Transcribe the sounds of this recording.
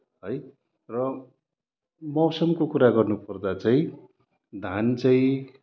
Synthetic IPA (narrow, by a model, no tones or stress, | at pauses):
ɦʌj | rʌ | mʌwsʌmkokuɾaɡʌrnupʌrd̪at͡saĩ | d̪ʱant͡saĩ